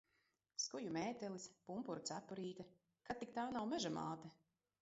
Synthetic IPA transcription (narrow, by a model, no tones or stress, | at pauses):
skujumeːt̪ɛlispumpuɾut̪sæpːɔɾiːt̪a | kat̪ːik̚t̪aːnawmɛʒama̰ːt̪a